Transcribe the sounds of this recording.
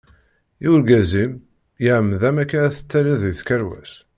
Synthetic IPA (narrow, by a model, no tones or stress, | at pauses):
iwɾɡæzim | jəʕəmːðæmækːaɾæθə̥t͡sːæɾiðθkæɾwæ̰s